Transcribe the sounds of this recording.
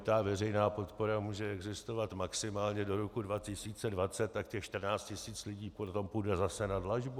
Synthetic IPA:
t̪avɛrɛjnaːpo̞t̪poɾamuːʒɛɛɡzɪst̪o̞vat̪maksɪmaːlɲɛdo̞ɾokudvacɪsiːt͡sɛdvat͡sɛt̪̚ːakcɛxʃt̪r̩naːt͡scɪsiːt͡slɪɟiːpot̪o̞mpujdɛzasɛnadlaʒbu

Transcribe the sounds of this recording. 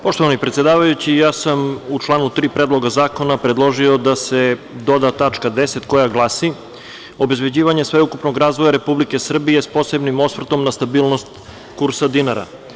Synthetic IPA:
po̞ʃt̪oʋanipɾet̪ʲjed̪aːʋajut͡ɕijaːsamut͡ʃlˠaːnut̪ɾiːpɾed̪lˠo̞ɡazaːko̞napɾed̪lˠo̞ʒiod̪ased̪o̞d̪at̪at͡ʂkad̪eset̪ko̞jaɡlˠaːsi | o̞be̞zbe̞d͡ʑiːʋaɲesʋeukupno̞ɡɾaːzʋo̞jaɾe̞publike̞sr̩bije̞spo̞se̞bnimo̞sfr̩t̪o̞mnast̪abiːlˠno̞st̪ | kuɾsad̪inaɾa̰

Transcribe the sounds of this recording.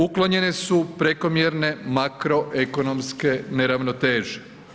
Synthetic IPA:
uklo̞ɲe̞nesupɾe̞ko̞mjeɾne̞makɾo̞ʔeko̞no̞mske̞ne̞ɾaʋnot̪eːʒe̥

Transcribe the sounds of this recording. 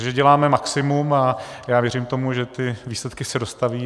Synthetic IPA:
ʒɛɟɛlaːmɛmaksɪmumajaːvjɛrimt̪o̞muʒɛt̪ɪviːslɛt̪kɪsɛdo̞st̪aviː

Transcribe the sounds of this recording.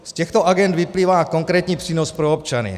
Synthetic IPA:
scɛxt̪ɔaɡɛnd̪ʋipliːʋaːkɔŋkɾɛːt̪ɲiːpr̥iːnɔspɾɛɔpt͡ʃanḭ

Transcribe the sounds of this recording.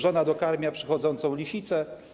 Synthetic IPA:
ʐɔnad̪ɔkaɾmʲjapʂɘ̥xɔd̪zɔnt̪sɔ̃w̃lʲiɕit̪sɛ

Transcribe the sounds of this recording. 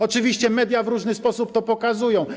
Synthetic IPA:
ɔt͡ʂɘvʲiɕt͡ɕɛmɛd̪ʲjavɾuʐnɘspɔsup̚t̪ɔpɔkazujɔ̃w̃

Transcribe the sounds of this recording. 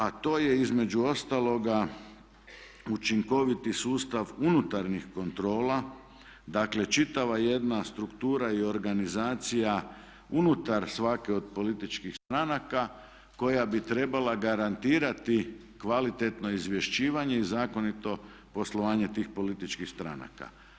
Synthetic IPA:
at̪o̞ːje̞izme̞d͡ʒuo̞st̪alˠo̞ɡa | ut͡ʃiŋko̞ʋit̪isuːst̪aʋunut̪aɾnixko̞nt̪ɾo̞ːla | d̪aːkle̞t͡ʃit̪aʋaje̞d̪nast̪ɾukt̪uːɾaio̞ɾɡanizaːt̪sija | unut̪aɾsʋakeo̞d̪po̞lit̪it͡ʃkixst̪ɾanaka | ko̞jabit̪ɾe̞balaɡaɾant̪iːɾat̪i | kʋalit̪e̞t̪no̞izʋje̞ʃt͡ɕiːʋaɲe̞izaːko̞nit̪o̞ | po̞slˠo̞ʋaːɲe̞t̪iːxpo̞lit̪it͡ʃkixst̪ɾa̰na̰ka̰

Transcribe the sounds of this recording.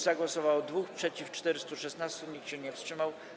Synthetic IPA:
zaɡwɔsɔvawɔd̪vuxpʂɛt͡ɕift͡ʂt̪ɛɾɘst̪uʂɛsnast̪uɲikɕɛɲɛfstʂɘmaw

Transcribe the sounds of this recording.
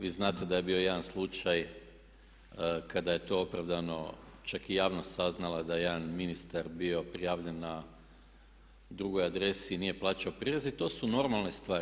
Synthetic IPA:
ʋiːznaːt̪ed̪ajebio̞jed̪anslˠut͡ʃaj | kad̪aje̞t̪o̞o̞pɾaʋd̪ano̞ | t͡ʃakijaːʋnost̪saznalˠad̪ajeed̪anminist̪aɾbio̞pɾijaʋʎe̞nːa | d̪ɾuɡo̞jad̪ɾe̞sinije̞plˠaːt͡ʃaopɾiɾezit̪o̞ːsuno̞ɾmalˠne̞st̪ʋaːɾ

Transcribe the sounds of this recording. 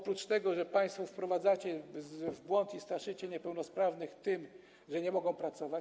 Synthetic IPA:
ɔpɾut͡ʂt̪ɛɡɔʐɛpaj̃st̪fɔfpɾɔvad̪zat͡ɕɛzvbwɔnt̪ist̪aʂɘt͡ɕɛɲɛpɛwnɔspɾavnɘxt̪ɘm | ʐɛɲɛmɔɡɔ̃w̃pɾat̪sɔvat͡ɕ

